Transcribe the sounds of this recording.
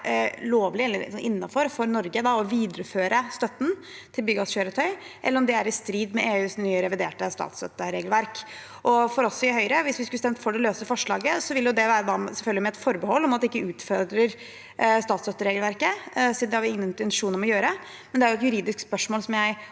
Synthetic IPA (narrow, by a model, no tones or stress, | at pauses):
loːʋlɪɛlːəɾsɔʔɪnːɑfɔɾfɔɾnɔɾɡəd̪ɑɔʋiːd̪ɾəføːɾəst̪œt̪ːn̩ | t̪ʰɪlbʏɡɑsçøːɾət̪ʰœʏ | ʔɛ̰lːəɾɔmd̪ɛæɾɪst̪ɾiːd̪mɛeːʉːsnyːəɾɛʋɪd̪eːʈəst̪ɑ̰ːt̪sœt̪ːəɾeːɡəlʋæɾk | ʔɔfɔɾɔsɔɪhœʏɾəʋɪsʋɪskʉəst̪ɛmt̪fɔɖɛløːsəfɔʂɭɑ̰ːɡəsɔʋɪlːjʊd̪ɛʋæːɾəd̪ɑsɛlfœlɡəlɪmɛt̪fɔɾbəhɔlːɔmɑt̪d̪ɛɪkːəʉːt̪fɔɾd̪ɾəɾ | st̪ɑːt̪sœt̪ːəɾeːɡlʋæɾkəsid̪nɛhɑɾʋɪɪŋːənɪt̪ɛnʂuːnɾɔmɔjøːɾə | mɛnd̪ɛæɾjʊɛt̪jʉɾiːd̪ɪskspœʂmoːlsɔmjæɪ